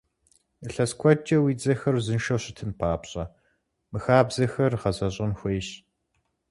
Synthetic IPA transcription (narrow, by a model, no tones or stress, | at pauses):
ɨɬɐskʷʰɔd͡ʒʼɐwiːd͡zɐxɐrzɨnʃɐwɕɪtʰɨnpʰaːpɕʼɐ | mɨxaːbzɐxɐrʁɐzɐɕʼɪnxʷeːɕ